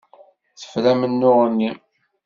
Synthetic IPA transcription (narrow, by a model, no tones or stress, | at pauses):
θə̥flæmənːʊʁənːi